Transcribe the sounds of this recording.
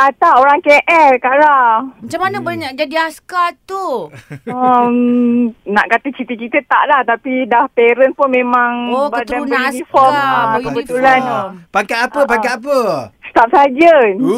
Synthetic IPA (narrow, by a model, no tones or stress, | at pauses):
ʔat̪aoɾaŋkeʔɛlkaʔɾamat͡ʃamanəbaɲakd͡ʒadiaskat̪u | əm | naʔkat̪ət͡ʃit̪ikit̪ət̪a̰ʔlaht̪apidahpeɾənpʊnmẽmãŋbadaunifɔməkkəbət̪ulanpakaapəpakaap̬əsə̥t̪ap̚saɦad͡ʒə